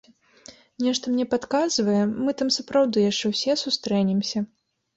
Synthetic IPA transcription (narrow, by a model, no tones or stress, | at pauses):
nʲɛʂt̪ɐmnʲɛpat̪kazvɐjɛmɨt̪amsɐpɾawd̪ɨjaʂt͡ʂɛwsʲɛsust̪ɾɛnʲɛmsʲɐ